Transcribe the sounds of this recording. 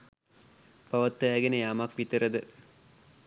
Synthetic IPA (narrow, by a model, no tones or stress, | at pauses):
pɐʋɐt̪ːəæːɡenəjaːmɐkʋit̪əɾəd̪ə